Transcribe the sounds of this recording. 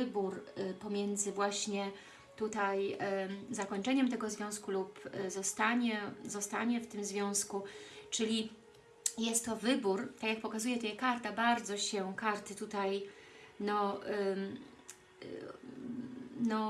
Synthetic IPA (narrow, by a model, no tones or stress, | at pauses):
ɘbuɾpɔmʲjɛnd̪zɘvwaɕɲɛ | t̪ut̪aj | zakɔɲt͡ʂɛɲɛmt̪ɛɡɔzvʲjɔ̃w̃skulupzɔst̪aɲɛzɔst̪aɲɛft̪ɘmzvʲjɔ̃w̃skut͡ʂɘlʲi | jɛst̪ːɔvɘbuɾt̪akjak̚pɔkazujɛt̪ɔjɛkaɾt̪abaɾd̪zɔɕɛkaɾt̪ɘt̪ut̪aj | nɔ | nɔ